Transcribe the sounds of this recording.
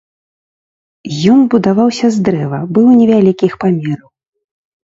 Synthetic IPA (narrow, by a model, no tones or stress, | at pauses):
jɔnbud̪avawsʲɐzd̪ɾɛvɐbɨwnʲɛvʲalʲikʲixpamʲɛɾɐw